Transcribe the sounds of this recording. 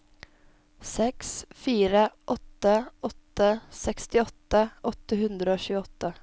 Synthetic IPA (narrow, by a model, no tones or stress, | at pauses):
sɛksfiːɾəʔɔt̪ːəʔɔt̪ːəsɛkst̪ɪɔt̪ːəʔɔt̪əhʉnd̪ɾəoːɕʉːəɔt̪ːə